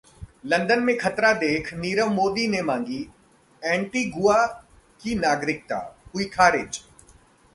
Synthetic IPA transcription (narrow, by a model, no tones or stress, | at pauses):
lɐ̃nd̪ənmẽkʰɐt̪ɾad̪eːkʰniːɾəʋmoːd̪inemãːŋɡi | ɛ̃ːɳʈiɡʊa | kinaːɡɾɪk̚t̪a̰ːɦuikʰaːɾɪːd͡ʒ